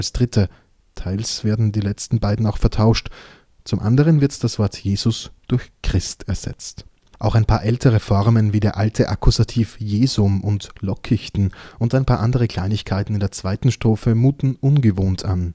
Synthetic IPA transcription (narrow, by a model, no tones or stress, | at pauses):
alsd̥ʁɪtʰə | tʰaɪlsv̥eːɐdn̩diːlɛt͡stn̩baɪdn̩aʊxfɛɐtʰaʊʃt | t͡sʊmʔa̰ndəʁ̞ənvɪɐtd̥asv̥ɔɐtʰjeːzʊsd̥ʊɐçkʁ̥ɪstɛɐz̥ɛ̰t͡st | ʔaʊxaɪnpʰaːɐʔɛltʰəʁ̞əfɔʁmənviːdeːɐʔaltʰəʔa̰kʰuzatʰiːfjeːzʊmʊntlɔkʰɪçtn̩ʔʊntaɪnpʰaːɐʔandəʁ̞əkʰl̥aɪnɪçkʰaɪtn̩ɪndeːɐt͡sv̥aɪtn̩ʃtʁ̥oːfəmuːtn̩ʔʊnɡəvoːntʰan